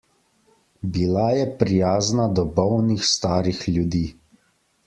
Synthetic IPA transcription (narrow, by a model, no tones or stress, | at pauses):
bilajɛpɾijaːznad̪ɔbɔwnixst̪aːɾixljud̪iː